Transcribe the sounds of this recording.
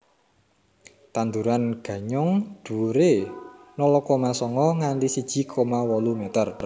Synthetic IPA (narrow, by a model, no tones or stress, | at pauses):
t̪and̪uɾanɡ̥ä̤ɲʊŋd̪̥ṳɾenɔlɔkomasɔŋɔŋandisid̥ʒ̥i̤kʰomawɔlumet̪ər